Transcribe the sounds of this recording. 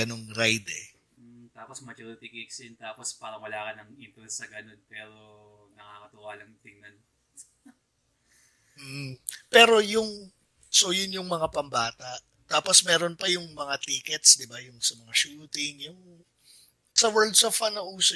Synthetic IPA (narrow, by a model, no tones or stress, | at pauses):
ɐnoŋɾajd̪ɛ | m̩t̪aːposmɐt͡ʃɐɾut̪ikiksɪnt̪aːpospaːɾɐŋwɐlaːkɐnɐŋimpulsɐɡɐnonpɛːɾonɐŋaːkɐt̪ʊʔaːlɐŋt̪ɪŋnɐn | m̩pɛːɾo̞jʊŋ | sojʊnjʊŋmɐŋapɐmbaːt̪ɐʔ | t̪aːpo̞smɛːɾonpɐjʊŋmɐŋat̪iːkɛt̪sd̪ɪbajʊŋsɐmɐŋaʃuːt̪ɪŋjʊŋ | sɐwɛɹld̪sofɐnɐʔuːso